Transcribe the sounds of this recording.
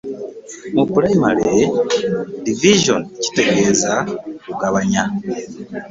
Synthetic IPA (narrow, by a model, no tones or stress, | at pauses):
mupuɾaimalee | diviʒonci̥te̞ɡe̞ːzauɡaβaɲa